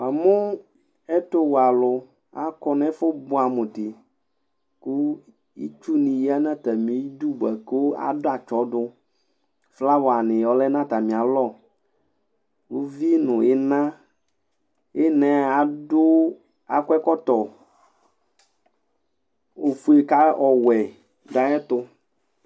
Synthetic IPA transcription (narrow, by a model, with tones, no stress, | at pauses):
a˨mʊ̃˦ | ɛ˦t̪o˦wa˨lʊ˨ | a˦kɔ˨nɛ̃˦fʊ˦bʊ˦a˨mũ˨t̪ɪ˨ | ku˦ | ḭ˦t͡ʃu˦nĩ˨ji˦a˦nã˦t̪a˨mĩ˨˦i˦d̪u˦bɛ˨ko˦a̰˨dʊ˦a˨t͡ʃɔ˨˦dʊ˦ | fla˦wɔ˨a˨nɪ̃˨jɔ˨lɛ˦nã˦t̪a˨mĩ˨a˨lɔ˦˨ | wo˦vi˦nʊ̃˨ɪ˦nã˦ | ɛ˦nɛ̃˨a˨dʊ˦ | a̰˨kwɛ˦kɔ˦t̪ɔ˨ | o˨fu˨e˨ka˦ɔ˨wɛ˨ | da˦ɛ˦t̪ʊ˦